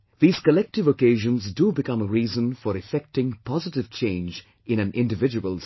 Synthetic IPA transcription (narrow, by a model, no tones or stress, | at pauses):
ðiːz̥kəlɛk̚tɨvəkeɪʒə̃nzdubɨkʰʌ̃məɹizə̃nfəɾɨfɛk̚tɪ̃ŋpʰɑzɨtɪv̥t͡ʃʰẽɪ̃nd͡ʒ | ɨ̃ñɨ̃nʔɪ̃ndɨvɪd͡ʒɨwəlˠ